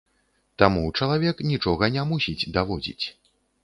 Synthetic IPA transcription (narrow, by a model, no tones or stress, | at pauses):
t̪amut͡ʂɐlˠavʲɛknʲit͡ʂɔɣɐnʲɛmusʲid͡zʲd̪avɔd͡zʲḭt͡sʲ